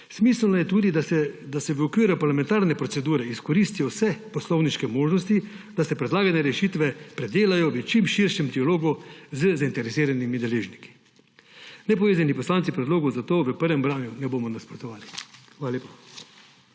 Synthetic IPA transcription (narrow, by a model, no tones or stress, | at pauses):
smiːslnɔjɛt̪uːd̪id̪d̪asɛʋəɔkʋiːɾupaɾlamɛ̃nt̪aːɾnɛpɾɔtsɛd̪uːɾɛiskɔɾiːst̪ijɔwsɛpɔslɔwniʃkɛmoːʒnɔst̪i | d̪asɛpɾɛd̪laːɡanɛɾɛʃiːt̪ʋɛpɾɛd̪eːlajɔʋət͡ʃimʃiɾʃjɛmd̪ialoːɡuzəzaint̪ɛɾɛsiːɾanimid̪ɛleːʒniki̥ | nɛpɔʋeːzanipɔslaːnsipɾɛd̪loːɡɔuzat̪oːʋəpəɾʋɛmbɾaːnjunɛboːmɔnaspɾɔt̪ɔʋaːlixʋaːlaleːpa